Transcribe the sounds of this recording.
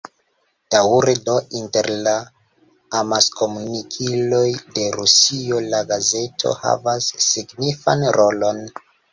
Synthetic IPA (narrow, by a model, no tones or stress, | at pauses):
d̥awuɾedo̞ʔinte̞ɾlaː | masko̞munikʰilo̞jde̞ɾusio̞laɡaze̞tʰo̞̰ha̰vasːiɡnifa̰nɾo̞lo̞n